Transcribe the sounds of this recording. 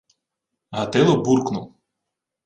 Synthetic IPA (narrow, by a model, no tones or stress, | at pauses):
ɦɐt̪ɪlˠɔburknʊw